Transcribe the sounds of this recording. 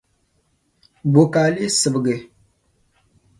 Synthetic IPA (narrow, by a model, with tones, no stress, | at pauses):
bo˨ka˨li˦sɨ˨bɡe˨